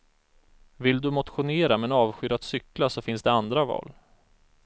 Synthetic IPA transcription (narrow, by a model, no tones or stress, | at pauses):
vɪld̪ɵmʊt̪ɧʊneːɾamɛnɑːvɧʏɾat̪sʏklasɔfɪnsd̪ɛand̪ɾavɑ̰ːl